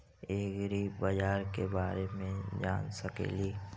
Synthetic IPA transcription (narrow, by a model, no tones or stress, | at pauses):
eːɡɾibad͡ʒaːɾkebaːɾemẽd͡ʒa̰ːnsəkḛːliː